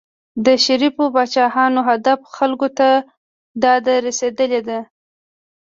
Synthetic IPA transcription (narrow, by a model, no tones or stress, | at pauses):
d̪əʃaɾifobɑt͡ʃɑhɑnoɦad̪afxalkot̪a | d̪ɑd̪aɾased̪əled̪a